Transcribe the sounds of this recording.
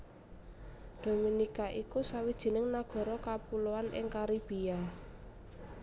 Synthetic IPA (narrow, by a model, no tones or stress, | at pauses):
d̪̥o̤minikaʔikusawid̥ʒ̥i̤nɪŋnaɡ̥ɔ̤ɾɔkapuloanɪ̰ŋkaɾib̥ia